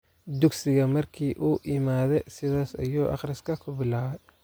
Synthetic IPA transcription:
d̪ʊɡsɪɣɐmɐrkʰiːʔuːʔɪmaːðɛjsɪðaːsɐ̰juːʔɑ̰χrɪskʰɐkʰʊbɪlaːwɛj

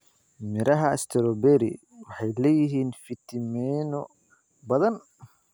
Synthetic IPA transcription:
mɪɾʔɐɦɐɪst̪ʰɛɾɔbɛɾḭ | wɑħɑjlɛːjɪɦiːnfɪt̪ʰɪmɛnɔ | bɐðɐn

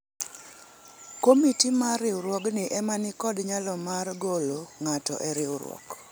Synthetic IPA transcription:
komitimarɪʊɾwɔɡnɪʔɛmanɪkɔdɲalɔmarɡoloŋatɔ̰ʔɛɾɪwʊɾwɔ̰k

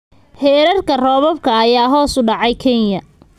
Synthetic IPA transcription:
hɛːɾɐrkʰɐrɔːβɔbkʰɐːjaːɦɔːsʊɖɑʕɑjkʰɛnjɐ

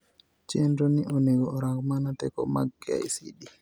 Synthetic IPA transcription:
t͡ʃendoniʔɔneɡɔɔɾakmanatɛ̰kɔ̰maɡa̰isḭɗi

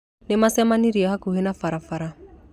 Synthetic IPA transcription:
nɪmasɛmaniɾiaɦakuɦenafaɾafaɾa

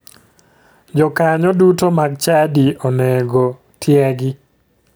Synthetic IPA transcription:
d͡ʒɔkaɲɔdutomaɡt͡ʃadiɔnɛɡo | tjɛɡɪ

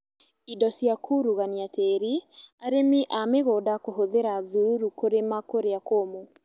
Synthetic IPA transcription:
idɔsjakʰuɾuɣaniateɾiaɾemiʔameɣodakoɦoðeɾaðuɾuɾukoɾemakoɾeakomo

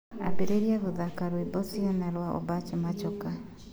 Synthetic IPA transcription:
abeɾeɾiaɣoðakaɾwibɔsiɔnɛɾwaɔ̰bat͡ʃɔmat͡ʃɔka

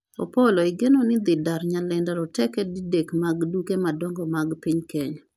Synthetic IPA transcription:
o̰poloiɡenonɪd̪ɪdaɾɲalɛndaɾɔtɛkɛdidekmaɡdukemadɔŋɡɔmaɡpiɲkeɲ

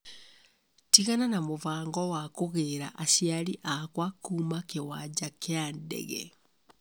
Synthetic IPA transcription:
tiɣananamovaːŋɡɔwakoɣeːɾaʔaɕjaɾiʔakwakuːmakewad͡ʑakeandɛ̰ɣɛ̰

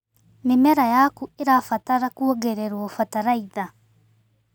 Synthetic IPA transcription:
mimɛɾajakueɾafataɾakuɔɡeɾeɾwɔfataɾaiða

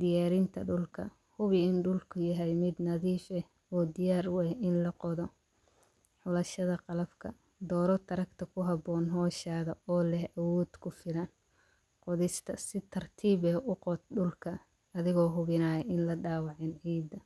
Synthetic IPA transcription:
d̪ɪjaːɾɪnt̪ʰɐɖʊlkʰɐ̰ | hʊβɪɪnɖʊlkʰʊjɐɦɛjmɪd̪nɐðiːfɛ | ɔːd̪ɪjaːɾʊwɛʔɪnlɐqɔðɔ | ħʊlɐʃɐðɐqɑlɐbkʰɐ̰ | d̪ɔːɾɔt̪ʰɐɾɐkt̪ʰɐkʰʊɦɑbɔːnɦɔːʃaːðɐɔːlɛhɐwɔːd̪̥kʰʊfɪlɐn | qɔðɪst̪ʰɐsɪt̪ʰɐrt̪ʰiːβɛːʔʊqɔt̪ɖʊlkʰɐ | ɐðɪɣɔːɦʊβɪnaːjɛɪnlɐɖaːwɑʕɪnʕiːd̪ːɐ

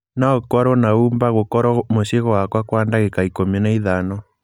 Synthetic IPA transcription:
naɔkwɔɾwɔnaumbaɣokɔɾɔmoʃeɣɔwakwakwandaɣekaikomɛnaiðanɔ

